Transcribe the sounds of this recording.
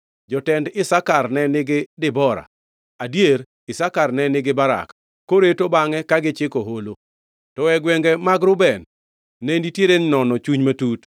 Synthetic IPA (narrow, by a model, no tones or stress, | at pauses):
d͡ʒɔtɛndɪsakarnɛnɪɡɪdɪbɔɾa̰ | adjeɾ | ɪsakarnɛnɪɡɪbaɾa̰k | kːoɾetobaŋɛkaɡɪt͡ʃɪkoɦolo | tɔwɛɡwɛŋɡɛmaɡɾʊbɛnː | enditjeɾennɔnɔt͡ʃuɲmatut